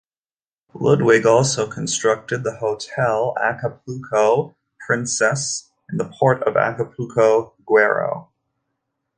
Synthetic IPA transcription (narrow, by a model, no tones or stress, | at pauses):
lʊd̚wɪɡɔlˠsoʊkʰn̩stɹ̥ʌk̚tɨd̪̚ðəhoʊtʰɛlˠæ̰kəpʰʉkʰoʊ | pʰɹ̥ɪ̃nsɛs | n̩ðəpʰɔɹɾʌ̰væ̰kəpʰʉkʰoʊɡ̥wɛɹo̰ʊ